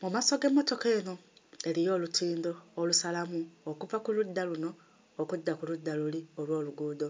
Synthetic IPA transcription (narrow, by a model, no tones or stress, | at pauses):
mumaso̞ɡemːo̞to̞ke̞ːno̞e̞lijo̞ːlutʰiːnd̪o̞ːlusalamuokuvakuludːaluno̞ː | kudːakuludːaluliolwo̞ːluɡuːd̪o̞